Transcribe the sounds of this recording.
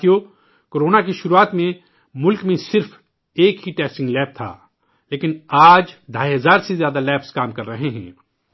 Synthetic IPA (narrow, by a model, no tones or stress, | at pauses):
ijo | koːɾoːnakiʃʊɾuaːt̪mẽ | mʊlkmẽsɪɾf | eːkɦiʈɛːsʈɪ̃ŋɡlɛːp̚t̪ʰa̰ː | leːkɪnaːd͡ʒd̪ʱaːiɦɐzaːɾsezjaːd̪alɛːpskaːmkɐɾːɐɦeɦɛ̰̃ː